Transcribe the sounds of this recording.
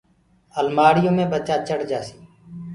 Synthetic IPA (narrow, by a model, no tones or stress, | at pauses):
əlmaːɽɪjõːmẽːbət͡ʃaːt͡ʃəɽd͡ʒaːsi̥ː